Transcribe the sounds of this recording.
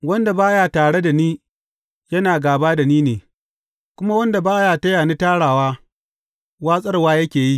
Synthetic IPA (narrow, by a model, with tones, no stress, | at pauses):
wɐ˦nda˨baː˦jaː˨taː˨ɽe˦da˨niː˦ | jɐ˦naː˨ɡaː˨baː˦da˨niː˦neː˨ | kʷʊ˦ma˦wɐ˦nda˨baː˦jaː˨tɐ˦jaː˨ni˦taː˦ɽaː˨waː˦ | waː˦sʼɐ˦rwaː˦jɐ˦kʲeː˨ji˦